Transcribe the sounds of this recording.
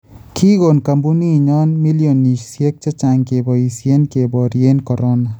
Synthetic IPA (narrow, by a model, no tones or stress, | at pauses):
kʰiɡonkambuniɲɔːnmilijoniʃsiek̚t͡ʃɐt͡ʃaŋkebɔisienkebɔːɾienkɔɾona